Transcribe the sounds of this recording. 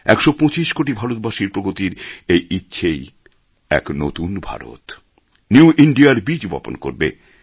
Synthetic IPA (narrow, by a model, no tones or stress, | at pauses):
ɛkʃopɔ̃t͡ɕiʃkoʈibʱaɾot̪̚baʃiɾpɾoɡot̪iɾejitːɕʰej | ɛ̰kno̰t̪unbʱa̰ɾo̰t̪ | njuʔiɳɖiaɾbid͡ʑbɔ̰po̰nko̰ɾbe